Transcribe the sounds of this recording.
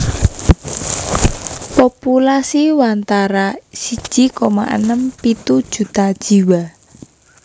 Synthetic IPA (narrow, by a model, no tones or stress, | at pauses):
populasiwant̪aɾasid̥ʒ̥i̤kɔma̰ʔə̰nəmpit̪ud̥ʒ̥ṳt̪ad̥ʒ̥i̤wa